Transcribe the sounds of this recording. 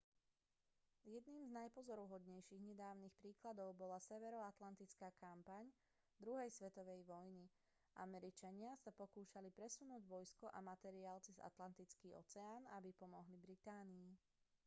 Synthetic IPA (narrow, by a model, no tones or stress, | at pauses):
jɛd̪niːmznajpɔzɔɾuɦɔd̪ɲɛjʃiɣɲɛd̪aːʊniːxpɾiːklad̪ɔʊbɔlasɛʋɛɾɔat̪lant̪it͡skaːkampaɲ | d̪ɾuɦɛjsʋɛt̪ɔʋɛjʋɔjni | ʔa̰mɛɾit͡ʃaɲɪasapɔkuːʃalipɾɛsunuːɟʋɔjskɔʔa̰mat̪ɛɾiaːlt͡siza̰t̪lant̪it͡skiːɔ̰t͡sɛaːnabipɔmɔɦlibɾit̪aːniː